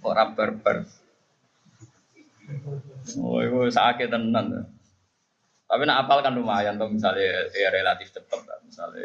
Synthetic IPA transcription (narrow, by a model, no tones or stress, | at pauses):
o̰ɾabərbə̰r | o̰ikusaaket̪ənːant̪ | t̪apinaʔapalkandumajant̪ɔhmis̬aleɾelat̪ift͡ʃəpət̪̚la̰misa̰l̰